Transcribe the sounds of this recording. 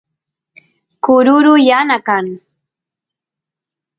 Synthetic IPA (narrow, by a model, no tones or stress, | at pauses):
kʊɾʊɾʊjanakaŋ